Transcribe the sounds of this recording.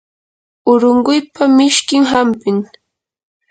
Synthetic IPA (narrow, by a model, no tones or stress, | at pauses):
ʊɾʊɴɢʊjpamɪʃkɪŋɦampɪŋ